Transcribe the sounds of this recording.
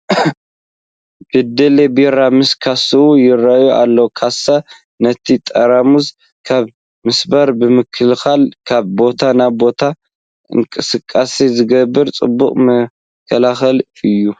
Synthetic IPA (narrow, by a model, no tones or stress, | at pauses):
b̥ɨd̪ɐlebeɾamɨskʰasɨujɪrajuʔa̰lːokʰasa | nɐt̪ʰit̪ʼɐɾamuz | kʰaβ | mɨsbɐɾbɨmɨkʰɨlxalkʰaβbo̞t̪ʰanabo̞t̪ʰa | ɨ̰ŋkʼɨsɨkʼːasizɨɡɐbːɨɾt͡sʼɨ̰bːukʼmɐ | kʰːɐlaxɐlɨjːu